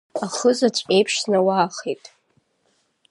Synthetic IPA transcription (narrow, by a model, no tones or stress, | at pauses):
aχəzat͡ʃʷʼejpʰʂsnawaːχitʼ